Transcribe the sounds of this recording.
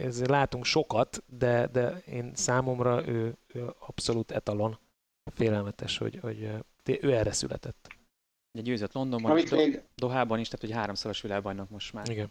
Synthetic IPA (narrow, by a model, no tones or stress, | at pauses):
ɛzeːlaːt̪uŋkʃo̞kɒt̪d̪ɛd̪ɛḛːnsaːmo̞mrɒʔøːøːɒpso̞luːt̪ɛ̰t̪ɒlo̞n | feːlɛlmɛt̪ɛʃho̰ɟho̞̰ɟ | t̪eʔøːɛrɛsy̰lʔɛ̰t̪ɛt̪ː | ɔɟɛɟøːzøt̪lo̞nd̪o̞mbmiːd̪o̞ɦaːbɒniʃt̪aːt̪hoɦaːɾo̞msɒloʃʋilaːɡbɒjnɒkmo̞ʃmaːiɡɛn